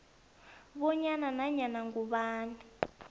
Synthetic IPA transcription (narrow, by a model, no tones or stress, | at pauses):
βɔɲananaɲanaŋɡuɓaːni